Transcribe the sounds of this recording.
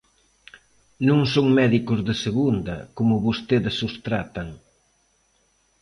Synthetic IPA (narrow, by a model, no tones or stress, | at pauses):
nũŋsoŋmɛðikʊzðeseɣund̪ɐ̰komʊβost̪eðesust̪ɾat̪ɐŋ